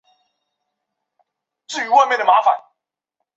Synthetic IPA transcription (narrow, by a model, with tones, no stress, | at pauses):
t͡sɹ̩˥˩y˧˥wa˥˧me˥˩ɪd̪ə˩ma˧˥fa̰˨˩˦n